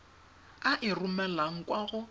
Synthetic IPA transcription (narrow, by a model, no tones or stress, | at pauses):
aʔɪrumɛlaŋ̩kʼwaɣʊ